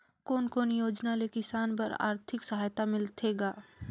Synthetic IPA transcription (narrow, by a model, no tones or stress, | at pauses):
koːnkoːnjoːd͡ʒnalekɪsaːnpɐɾa̰ːɾt̪ʰɪksɐɦaːjt̪amɪlt̪ʰeɡaː